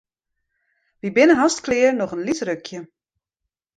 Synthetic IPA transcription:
ʋibɪnəɦastklɪərnɔχənlitrøkʰjə

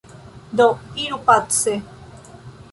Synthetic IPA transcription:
d̪oiɾupat̪se

